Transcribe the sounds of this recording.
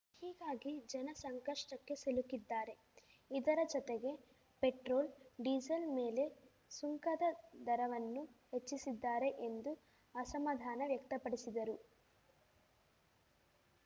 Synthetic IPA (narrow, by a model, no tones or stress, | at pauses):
hiːɡaːɡid͡ʒɛnɐsɐŋkɐʂʈɐkːe̞selukid̪ːaːɾe̞ | id̪ɐɾɐd͡ʒɔt̪eɡe̞ | pe̞ʈɾoːlɖiːd͡ʒɐlmeːle̞ | suŋkɐd̪ɐd̪ɐɾɐʋɐnːuhe̞t͡ʃːisid̪ːaːɾe̞ʔend̪u | ɐsɐmad̪ʱaːnɐʋjɐkt̪ɐpɐɽisid̪ɐɾu